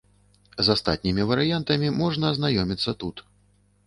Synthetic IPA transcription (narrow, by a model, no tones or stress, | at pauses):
zast̪a̰t̪̚ʲnʲimʲivɐɾɨjant̪ɐmʲimɔʐnɐːznajɔmʲit̪sːɐt̪ut̪